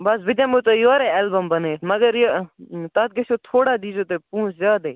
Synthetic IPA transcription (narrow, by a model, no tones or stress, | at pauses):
bɐsʋɪd̪jãːmũːt̪ojoːɾeːeːlbəmbəneːməɡəɾjot̪at̪̚ɡesoːt̪ʰoːɽaːd̪iːd͡ʒoːt̪epũːszaːd̪eː